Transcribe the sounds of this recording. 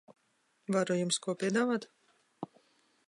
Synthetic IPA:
vaɾujumskuɔpʲiɛd̪aːvaːt̪

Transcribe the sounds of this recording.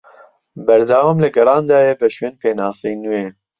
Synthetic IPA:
bɛɾd̪ɑːwaːmlɨɡɛɾɑːnd̪ɑːjɛbəʃweːnpeːnɑːsiːnujeː

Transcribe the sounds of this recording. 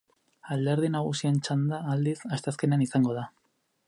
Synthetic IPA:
ald̪eɾðinaɣ̞usient͡ʃand̪aːld̪isast̪easke̞neanisaŋɡo̞ð̞a

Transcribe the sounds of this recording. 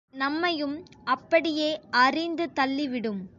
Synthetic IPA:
nɐmːɐjɯm | ɐpːɐɽɪjeːʔɐrɪnd̪ɯt̪ɐlːiʋɪɽɯm

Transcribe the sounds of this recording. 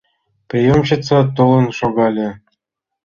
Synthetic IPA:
prʲijomɕĭt͡sɑt̪olˠɤ̆nʃoɡɑlʲĕ

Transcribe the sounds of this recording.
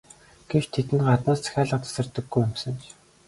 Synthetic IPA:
ɡ̥et͡ɕt̪ʰːet̪ɘ̆nɢat̪naːst͡sʰæ̥xʲæːɮə̆q̚t̪ʰḁsə̆rt̪ə̆ɡːujʊm̥sə̆nt͡ɕ

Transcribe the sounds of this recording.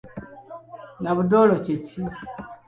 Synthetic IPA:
naβudoloceci

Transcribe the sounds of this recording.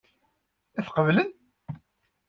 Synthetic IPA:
æθqəvlən

